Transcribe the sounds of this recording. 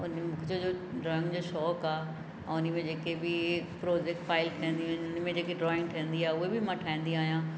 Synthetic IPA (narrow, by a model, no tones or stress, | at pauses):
ʊnmũkʰd͡ʑod͡ʑoːɖɾɐ̃ŋɡd͡ʑoːʃɔːkaː | ɛ̃ʊnəmẽd͡ʑeːkebɪpɾoːd͡ʑek̚ʈfaːɪlkʰɐə̃nd̪ĩũːnʊn̆mẽd͡ʑeːkeɖɾɔːɪ̃ŋɡ̚ʈʰɐĩnd̪iaːɦʊɦebɪmãʈʰaːĩnd̪iũaːɦijãː